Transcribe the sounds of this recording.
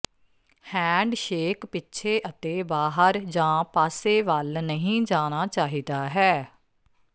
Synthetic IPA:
hɛ̃ːɳɖʃeːkpɪtːʃʰeːʔət̪eːbaːɦəɾd͡ʒãːpaːseːʋaːlnəɦĩːd͡ʒaːñaːt͡ʃaːɦiːd̪aːɦɛː

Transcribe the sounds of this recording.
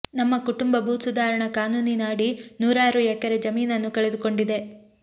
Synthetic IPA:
nɐmːɐkuʈumbɐbʱuːt̪sud̪aːɾɐɳɐkaːnuːninaːɽinuːɾaːɾuɛkːɐɾed͡ʒɐmiːnɐnːukɐɭed̪uko̞ɳɖid̪e̞

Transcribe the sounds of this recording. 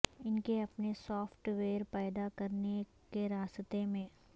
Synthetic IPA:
ɪnkeɐpnesɔːfʈʋeːɾpɛːd̪akɐɾne | keɾaːst̪emẽː

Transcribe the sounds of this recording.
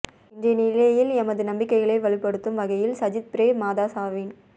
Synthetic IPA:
ɪndɐjɐnɪlɐjɪlɛmɐðɯnɐmbɪkːɐɪɣɐɭeɪʋɐɭɪpːɐɽɯt̪ːɯmʋɐɣɐjɪlsɐd͡ʒɪt̪̚pɪɾeːmaːðaːsaːʋin

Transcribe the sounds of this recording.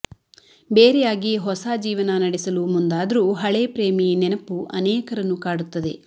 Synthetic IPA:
beːɾɛjaːɡiɦɔsad͡ʒiːʋɐnɐnɐɽisɐlumund̪aːd̪ɐɾuɦɐɭeːpɾeːminɛnɐpːuʔɐnɛːkɐɾɐnːukaːɽut̪ːɐd̪e̞

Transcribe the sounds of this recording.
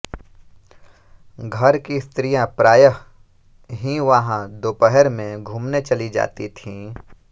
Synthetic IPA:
ɡʱɐɾkist̪ɾijãpɾaːjəɦ | ɦiʋɐɦãd̪oːpəɦəɾmẽɡʱuːmnet͡ʃɐlid͡ʒa̰ːt̪it̪ʰĩː

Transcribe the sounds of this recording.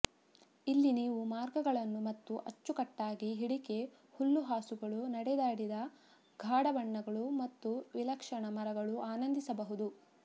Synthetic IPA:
ilːiniːʋumaːɾɡɐɡɐɭɐnːumɐt̪ːuʔɐt͡ʃːukɐʈːaːɡiɦiɽike̞ | hulːuɦaːsuɡɐɭunɐɽɛd̪aːɽid̪ɐ | ɡʱaːɽɐbɐɳːɐɡɐɭumɐt̪ːuʋilɐkʂɐɳɐmɐɾɐɡɐɭuʔaːnɐnd̪isɐbɐɦud̪u

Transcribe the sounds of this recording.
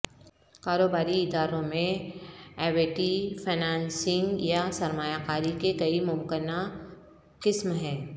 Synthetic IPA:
kaːɾoːbaːɾiɪd̪aːɾõmẽ | ɛːʋeʈifʰenaːnsɪ̃ŋɡjasɐɾmaːjakaːɾikekɐimʊmkəna | qɪsmɦɛ̃ː

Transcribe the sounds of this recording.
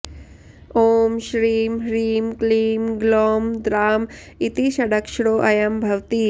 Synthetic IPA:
oːmʃɾiːmɦɾiːmkliːmɡloːmd̪ɾaːm | it̪iʃɐɽɐkʂɽoːʔɐjɐmbʱɐʋt̪i

